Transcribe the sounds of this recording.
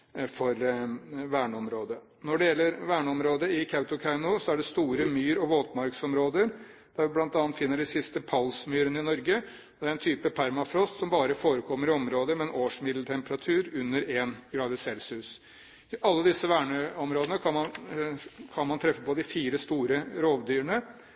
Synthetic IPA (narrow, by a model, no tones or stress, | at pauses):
fɔɾʋæːɳəɔmɾoːd̪ə | nɔɖɛjɛlːəɾʋæːɳəɔmɾoːd̪əɪkʰɑʉt̪ʊkʰæɪnʊsɔæɖɛst̪uːɾəmyːɾɔʋoːt̪mɑɾksɔmɾoːd̪əɾ | d̪̥æɾʋɪblɑnt̪ɑnət̪fɪnːəɖɪsɪst̪əpʰɑlsmyːɾənəɪnɔɾɡə | ɔd̪ɛæɾɛnt̪ʰyːpəpʰæɾmɑfɾɔst̪sɔmbɑːɾəfoːɾəkʰɔmːəɾɪɔmɾoːd̪əmɛɛnʔoːʂmɪd̪lt̪ʰɛmpəɾɑt̪ʰʉːɾʉnːəɾeːnɡɾɑːd̪əsɛlsʉs | ɪʔɑlːəd̪ɪsːəʋæːɳəɔmɾoːd̪nəkʰɑnmɑn | kʰɑnmɑnt̪ʰɾɛfːəpɔd̪ɪfiːɾəst̪uːɾəɾoːʋd̪yːəɳə